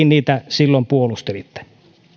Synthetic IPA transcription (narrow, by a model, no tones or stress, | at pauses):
inniːt̪æsilːompuolust̪elit̪ːe̥